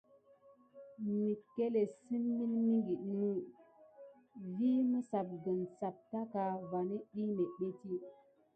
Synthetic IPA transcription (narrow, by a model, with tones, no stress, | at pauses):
mi˨kːe˦le˨sɨ˦nmi˦nmi˦ŋɡi˨ɗnu˦˨ | vi˦mə˦sa˨p̚ɡə˨nsa˨p̚ta˦ka˨va˨ni˦ɗi˦ne˨ɓe˦ti˦